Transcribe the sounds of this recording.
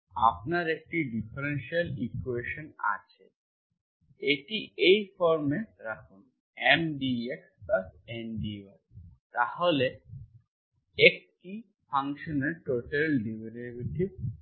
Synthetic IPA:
a̰pnaɾek̚ʈiɖipʰeɾenʃialikueʃona̰t͡ɕʰe | eʈiʔejfɔɾmeʈɾakʰun | emɖieksbabenɖiwaɾt̪aɦole | ek̚ʈi | pʰaŋkʃɔneɾʈoʈelɖibeɾebiʈi

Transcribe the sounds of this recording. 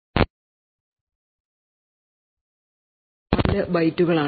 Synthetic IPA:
pɐlːɐbɐjtːuɣɐɭaː

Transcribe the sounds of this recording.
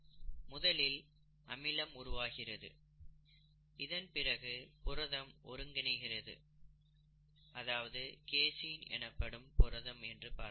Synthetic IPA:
mʊðɐlɪl | ʔɐmɪlɐmʊɾʊʋaːɣɪrɐðɯ̰ | ɪðɐnpɪrɐɣɯpʊrɐðɐmʔɔ̰ɾɯŋɡɐnɐɪɣɪrɐðɯ̰ | ɐðaːʋɐðɯkeːsijnɛ̰nɐpːɐɽɯmpʊrɐðɐmɛndrɯpa̰ːɾ

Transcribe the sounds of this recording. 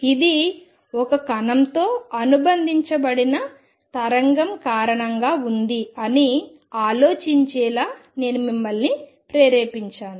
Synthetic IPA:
id̪i | ɔkɐkɐnɐmt̪o̞ːɐnubɐnd̪ʱiɲt͡ʃɐbɐɽinɐ | t̪ɐɾɐŋɡɐmkaːɾɐɳɐŋɡaːund̪iɐni | aːlo̞ːt͡ʃiɲt͡ʃɛːlaːne̞ːnumimːɐlni | pɾeːɾeːpiɲt͡ʃaːnu

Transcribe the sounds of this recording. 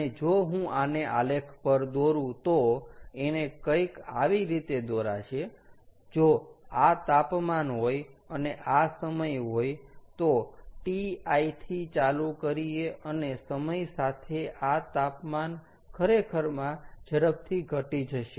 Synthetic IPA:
əed͡ʒoɦũʔaneʔa̰lekʰpəɾd̪oɾũt̪oenekəjkaʋiɾit̪ed̪oɾat͡ʃʰed͡ʒoat̪apmanɦojəneʔasəməjɦojt̪oʈiait̪ʰit͡ʃalukəɾieənesəməjsat̪ʰeʔat̪apman | kʰəɾekʰəɾmãd͡ʒəɾəp̚t̪ʰiɡʱəʈid͡ʒəʃe

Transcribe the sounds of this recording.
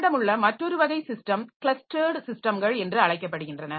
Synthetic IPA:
ɽɐmɯɭːɐmɐʈrːɔɾɯʋɐɣɐɪsɪsʈɐmkɪɭɐsʈɐɾɖsɪsʈɐmɡɐɭɛndrɯɐɭɐɪk̬ːɐp̬ːɐɽɯɣɪndrɐnɐ

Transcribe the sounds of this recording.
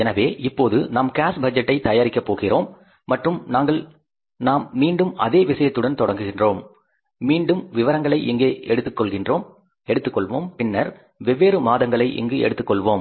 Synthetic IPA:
ɛnɐʋeːʔɪpːoːðɯnaːmkaːsbɐd͡ʒɐʈːɐɪt̪ɐjaːɾɪkːɐpːoːɣɪroːmː | ɐʈrɯmnaːŋɡɐɭ | naːmːiːɳɖɯmɐ̰ðeːʋɪsɐjɐt̪ːɯɽɐnt̪ɔɽɐŋɡɯɣɪndroːmː | iːɳɖɯmʋɪʋɐɾɐŋɡɐɭɐɪʔɪŋɡeːʔɛɽɯt̪ːɯkːɔɭɣɪndroːm | ɛɽɯt̪ːɯkːɔɭʋoːmpɪnːɐɾ | ʋɛʋːeːɾɯmaːðɐŋɡɐɭɐɪʔɪ̰ŋɡɯɛ̰ɽɯt̪ːɯkːɔɭʋoːm

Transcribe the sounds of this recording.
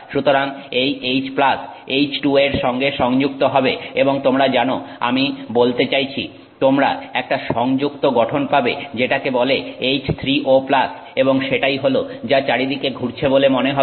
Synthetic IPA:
ʃut̪oɾaŋejejt͡ɕplas | ejt͡ɕʈueɾʃɔŋɡeʃɔŋd͡ʑuk̚t̪oɦɔbeeboŋt̪omɾad͡ʑanoa̰mibolt̪et͡ɕajt͡ɕʰḭ | t̪omɾa̰ɛk̚ʈaʃɔŋd͡ʑukt̪oɡɔʈʰonpabed͡ʑeʈakebɔleejt͡ɕt̪ʰɾiʔoplas | eboŋʃeʈajɦolod͡ʑat͡ɕaɾid̪ikeɡʱuɾt͡ɕʰebolemoneɦɔ

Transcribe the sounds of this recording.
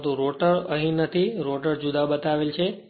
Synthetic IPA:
t̪ũɾoʈəɾəɦĩnət̪ʰiɾoʈəɾd͡ʒud̪abət̪aʋelt͡ʃʰe

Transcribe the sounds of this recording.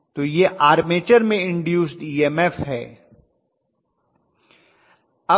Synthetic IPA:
t̪oːjeʔaːɾmeːt͡ʃəɾmẽɪ̃ɳɖjuːsʈiːemɛfɦɛː | ɐ

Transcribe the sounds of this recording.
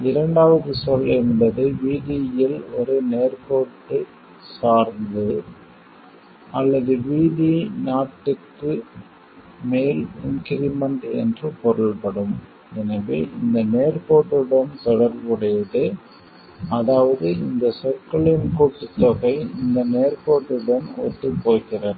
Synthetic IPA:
ɪɾɐɳɖaːʋɐðɯsɔlːɛmbɐðɯʋiːðijɪlɔɾɯneːɾpoːʈːɯ | saːɾnd̪ɯ | ɐlːɐðɯʋiːðinaːʈːɯkːɯ | meːlɪŋkɪɾɪmɐɳʈɛ̰ndrɯpɔɾɐɭpɐɽɯm | ɛnɐʋeːʔɪnd̪ɐneːrpoːʈːɯɽɐnt̪ɔɽɐɾʋɯɽɐjɐðɯ | ɐðaːʋɐðɯɪnd̪ɐsɔkːɐɭɪnkoːʈːɯt̪ːɔɣɐɪɪnd̪ɐneːrpoːʈːɯɽɐnɔ̰ʈ̪ːɯpoːɣɪrɐɾ

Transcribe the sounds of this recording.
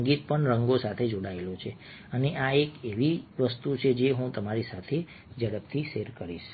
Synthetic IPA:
ŋɡit̪̚pəɳɾəŋɡosat̪ʰed͡ʒoɽaelot͡ʃʰe | əneʔaekeʋiʋəst̪ut͡ʃʰed͡ʒeɦũt̪əmaɾisat̪ʰe | d͡ʒəɽəp̚t̪ʰiseɾkəɾiʃ

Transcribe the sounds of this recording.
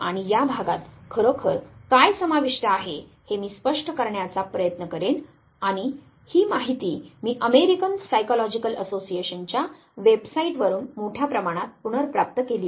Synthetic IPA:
aɽ̃ijabʱaɡat̪kʰəɾokʰəɾkajsəmaʋiʂʈəaɦe | hemiːspəʂʈəkəɾɳjat͡sapɾəjət̪nəkəɾen | aɽ̃i | hiːmaɦit̪iːmiːʔəmeɾikənsajkɔlɔd͡ʑikələsosieɕənt͡ɕja | ʋebsaiʈʋəɾuːnmoʈʰjapɾəmaɽ̃at̪̚puɽəɾpɾap̚t̪əkeli

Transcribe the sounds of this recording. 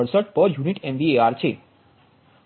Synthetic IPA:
əɾsəʈ̚pəɾjuniʈɛmʋieaɾt͡ʃʰe

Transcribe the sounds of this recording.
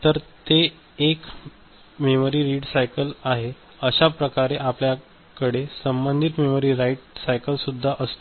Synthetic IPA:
t̪əɾt̪eː | k | memoɾiːɾiɽsajkəlaɦe | əɕapɾəkaɾeʔaplja | kəɽesəmbənd̪ʱit̪memoɾiːɾaiʈsajkəlsud̪ʱːaʔəst̪o

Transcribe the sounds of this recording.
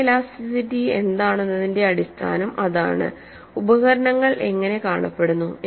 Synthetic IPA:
laːsisitie̞̰nd̪aːɳenːɐðinde̞ɐɽist̪ʰa̰ːnɐmɐða̰ːɳɨ̰ | ubɐɣɐɾɐɳɐŋːɐɭe̞ŋːɐne̞kaːɳɐpːe̞ɽunːu

